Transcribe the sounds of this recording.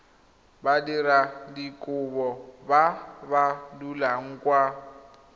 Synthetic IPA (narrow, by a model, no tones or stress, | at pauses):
badiɾadikʼʊbɔbaβalulaŋ̩kʼwa